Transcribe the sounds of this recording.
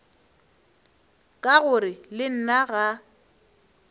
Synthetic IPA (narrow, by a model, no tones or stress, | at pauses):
kʼaɣʊrɪlɪn̩naɣa